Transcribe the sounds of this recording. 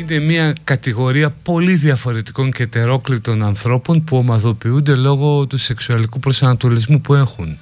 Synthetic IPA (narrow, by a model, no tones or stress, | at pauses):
ine̞mɐkɐt̪iɣo̞ɾiɐpo̞liðiɐfo̞ɾe̞t̪i̥ko̞ɲce̞t̪e̞ɾo̞klit̪o̞nɐnθɾo̞po̞npuomɐðo̞piund̪e̞lo̞ɣo̞t̪use̞ksuɐlikupɾosɐnɐt̪o̞lizmupue̞xun